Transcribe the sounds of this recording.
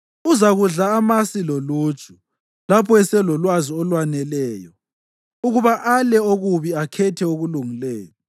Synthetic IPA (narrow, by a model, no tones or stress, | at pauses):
uzaɣuɮaːmasiloluːt͡ʃʰʼu | lapʰɔɛsɛlɔlwaziɔlwanɛlɛːjɔ | uɣuβaʔalɛoɣuβiakʰɛtʰɛoɣuluŋilɛːɣɔ